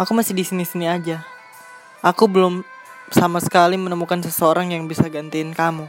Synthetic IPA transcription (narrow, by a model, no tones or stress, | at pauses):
akumasɪhdisinisiniad͡ʒa | ʔakubəlʊm | samasə̥kalimənəmukansəsəoɾaŋjaŋbisaɡant̪iɪnkamu